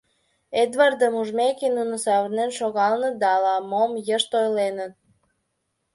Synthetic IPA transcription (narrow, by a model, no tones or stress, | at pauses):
ed̪βɑrd̪əmuʒmekenunə̆sɑβnenʃoɣɑlnə̆d̪ɑlɑmomjəʃt̪ojlenət̪̚